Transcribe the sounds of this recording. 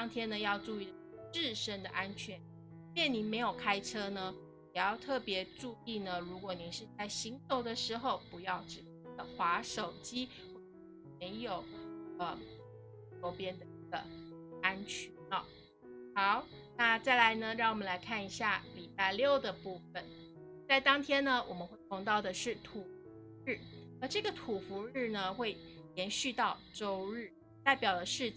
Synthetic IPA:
t̪ɑ˥ŋt̪ʰjɛ˥nə˧jɑ˥˧ʊʈ͡ʂu˥˧i˥˩˥ʈ͡ʂɻ̩˥˩ʂə˥nd̪ə̰˨ʔa˥nt͡ɕʰɥɛ˧˥˦n | ljɛ˥˩nli˨˩me˧˥ɪjo˨˩ʊkʰa˥ɪʈ͡ʂʰɤ˥nə˧ | jɛ˨˩jɑ˥˧ʊt̪ʰɤ˥˩pjɛ˧˥ʈ͡ʂu˥˧i˥˩nə˩ɻu˧˥kwɔ˨˩ni˨˩˦ʂɻ̩˥˧t͡sa˥˩ɪɕi˧˥ŋso˧˥ʊd̪ə˨ʂɻ̩˧˥xo˥˧˩ʊpu˧˥jɑ˥˩ʊʈ͡ʂɻ̩˨˩t̪ə˨˩xwa˧˥ʂo˨˩ʊt͡ɕi˥ | xwɔ˥˩ | me˧˥ɪjo˨˩ʊə˧ | ɔ˧˥pjɛ˥nd̪ə˨i˥˩ɡə˩a˥nt͡ɕʰy˧˥nɐ˥˧ | xɑ˨˩˦ʊ | na˥˧t͡sa˥˩ɪla˧˥ɪnə˧ɻɑ˥˩ŋwɔ˨˩mə˦nla˧˥ɪkʰa˥˩ni˧˥ɕja˥˩li˨˩pa˥˧ɪljo˥˩ʊd̪ə˩pu˥˩fə˨˩n | t͡sa˥˩ɪt̪ɑ˥ŋt̪ʰjɛ˥nnə˨wʔɔ˨˩mə˦nxwe˥˩ɪpʰʊ˧˥ŋt̪ɑ˥˩ʊd̪ə˩ʂɻ̩˥˩t̪ʰu˨˩fu˧˥ɻ̩˥˩ə˧˥ʈ͡ʂɤ˥˩ɡə˩t̪ʰu˨˩fu˧˥ɻɻ̩˥˩nə˩xwe˥˩ɪ | ljɛ˧˥nɕy˥˧t̪ɑ˥˩ʊʈ͡ʂo˥ʊɻɻ̩˥˩ | t̪a˥˩ɪpjɑ˨˩ʊd̪ə˦ʂɻ̩˥˧

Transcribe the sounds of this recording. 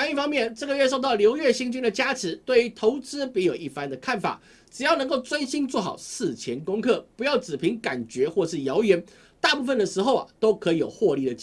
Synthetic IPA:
a˥˧ni˥˩fɑ˥ŋmjɛ˥˨nʈ͡ʂɤ˥˩ɡə˩ɥɛ˥˧ʂ̬o˥˧ʊt̪ɑ˥˩ʊljo˧˥ʊɥɛ˥˩ɕi˥ŋt͡ɕy˥nd̪ə˨t͡ɕja˥ʈ͡ʂ̩ʰ˧˥t̪we˥˩ɪy˧˥t̪ʰo˧˥ʊt͡sɹ̩˥pi˧˥jo˨˩ʊi˥˩fa˦nd̪ə˨kʰa˥˩nfa̰˨˩˦ | ʈ͡ʂɻ̩˨˩jɑ˥˩nɤ˧ŋko˥˩ʊt͡swə˥nɕi˥nt͡swɔ˥˩xɑ̰˨˩ʊsɹ̩˥˩t͡ɕʰjɛ˧˦˥nkʊ˥ŋkʰɤ˥˩pu˧˥jɑ˥˩ʊt͡sɹ̩˨˩pʰi˧˥ŋka˨˩nt͡ɕɥɛ˧˥xwɔ˥˧ʂ̬ɻ̩˥˩jɑ˧˥ʊjɥɛ˧˥n | t̪a˥˧pu˥˩fə˩nd̪ə˩ʂɻ̩˧˥xo˥˧ʊɐ̰˩t̪o˥ʊkʰɤ˧˥i˧˥jo˨˩ʊxwɔ˥˧li˥˩d̪ə˩t͡ɕ

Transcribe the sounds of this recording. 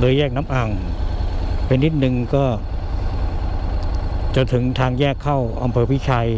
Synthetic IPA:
lɤː˧jɛː˥˩k̚na˦˥mʔa˨˩ŋ | pe˧nːi˦˥t̪̚nɯ˧ŋkɔː˥˩ | t͡ɕa˧t̪ʰɯ˩˦ŋt̪ʰaː˧ŋjɛː˥˩kʰːa˥˩wʔa˧mpʰɤː˧pʰi˦˥˩t͡ɕʰaː˧j

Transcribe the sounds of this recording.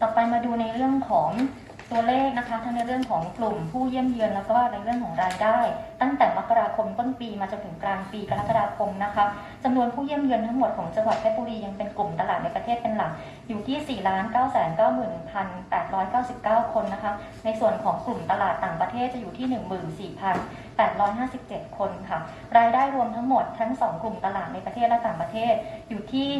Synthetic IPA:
t̪ɔː˨˩pa˧jmaː˧duː˧na˧jɾɯ˥˩əŋkʰɔː˩˦ŋ | t̪u˧ɐleː˥˩k̚na˦˥kʰa˦˥t̪ʰa˦˥ŋna˧jɾɯ˥˩əŋkʰɔː˩˦ŋklu˨˩mpʰuː˥˩ji˥˩əmjɯ˧ənlɛː˦˥kʰɔ˥a˥˩na˧jɾɯ˥˩əŋkʰɔː˩˦ŋɾaː˧jdaː˥˩jt̪a˥˩ŋt̪ɛː˨˩m˦˥kːa˧ɾaː˧kʰo˧mt̪o˥˩npiː˧maː˧t͡ɕo˧nt̪ʰɯ˩˦ŋklaː˧npiː˧ka˧la˦˥kːa˧daː˧kʰo˧mna˦˥kʰa˦˥p̚ | t͡ɕa˧mnu˧ənpʰuː˥˩ji˥˩əmjɯ˧nt̪ʰa˦˥ŋmo˨˩t̪̚kʰɔː˩˦ŋt͡ɕa˧ŋwa˨˩t̪̚ʰe˦˥t̚boː˧ɾiː˧ja˧ŋpe˧nklu˨˩mt̪a˧laː˨˩na˧jpɾa˧t̪ʰeː˥˩t̪̚pe˧nla˨˩˦k̚ | juː˨˩t̪ʰiː˥˩siː˨˩laː˦˥nkaː˥˩wsɛː˩˦nkaː˥˩wmɯː˨˩npʰa˧npɛː˨˩t̪̚ɾɔː˦˥jkaː˥˩wsi˨˩p̚kaː˥˩wkʰo˧nːa˦˥kʰa˦˥ | na˧jsu˨˩ənkʰɔː˩˦ŋklu˨˩mt̪a˧laː˨˩t̪ːaː˨˩ŋpɾa˧t̪ʰeː˥˩t̪̚t͡ɕa˨˩juː˨˩t̪ʰiː˥˩nɯ˨˩ŋmɯː˨˩nsiː˨˩pʰa˧n | pɛː˨˩t̪̚ɾɔː˦˥jɦaː˥˩si˨˩p̚t͡ɕe˨˩t̪̚kʰo˧nkʰa˥˩ | ɾaː˧jdaː˥˩jɾu˧əmt̪ʰa˦˥ŋmo˨˩t̪ʰːa˦˥ŋsɔː˩˦ŋklu˨˩mt̪a˧laː˨˩t̪̚na˧jpɾa˧t̪ʰeː˥˩t̪̚lɛ˦˥t̪aː˨˩ŋpɾa˧t̪ʰeː˥˩t̪̚juː˨˩t̪ʰiː˥˩

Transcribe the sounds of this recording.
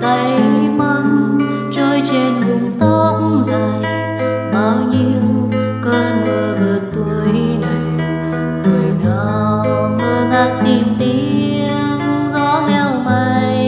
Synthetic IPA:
t̪ə˨˦˧jmə˧ŋ | t͡ɕɔ˧jt͡ɕe˧nkʊ˨˧˩ŋ͡mt̪ɔ˧˦za˧˨˩j | ɓaː˨˩wɲi˧w | kəː˧nnɨ˨˩əvə˨˩t̪u˧˩əna˨˩ | həː˨˩jɗɔ˨˧˩ | ŋə˧˩ɗaː˧˥t̪i˧˩mt̪i˧˦ | ə | n | zɔ˧˦mɛ˧wma˧j

